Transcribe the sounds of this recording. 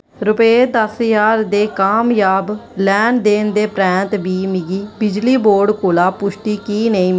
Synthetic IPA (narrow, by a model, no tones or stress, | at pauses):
ɾʊped̪əsjaːɾd̪eːkaːmjaːblɛːnd̪eːnd̪eːpɾɛ̃ːt̪biːmɪɡiːbɪd͡ʒliːboːɾɖkoːlaːpʊʃʈiːkiːnəĩːm